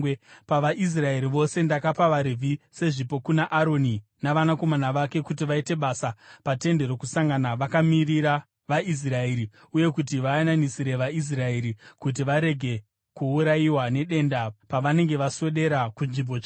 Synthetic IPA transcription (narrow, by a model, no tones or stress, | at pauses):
paʋaʔis̬rae̞ɾiʋo̞se̞ndakapaʋaɾevʱise̞ʐipo̞kunaʔaɾo̞ninaʋanako̞manaʋake̞kut̬iʋaite̞ɓasapate̞nde̞ɾo̞kusaŋɡanaʋakamiriɾa | ʋais̬raeɾi | uje̞kut̬iʋaananisiɾe̞ʋais̬rae̞ɾikut̬iʋaɾe̞ɡʱe̞ | kuuɾaiwane̞ɗe̞ndapaʋane̞ŋɡe̞ʋaswe̞ɗe̞ɾakunʐimbo̞t͡ʃa